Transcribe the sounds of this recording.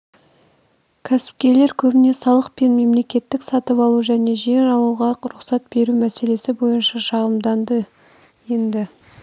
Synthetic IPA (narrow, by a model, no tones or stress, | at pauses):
kʲʰæsɪ̥p̚kʲe̞le̞ɾkʲʰɵbɪne̞sɑlˠəq̚pe̞nme̞mle̞kʲe̞t̪ːɪksɑt̪əpɑlˠuʒæne̞ʒeɾɑlˠuʁɑɾʊqsɑt̪̚be̞ɾumæse̞le̞sɪbo̞jənʃɑʃɑʁəmd̪ɑnd̪ə | je̞nd̪ɪ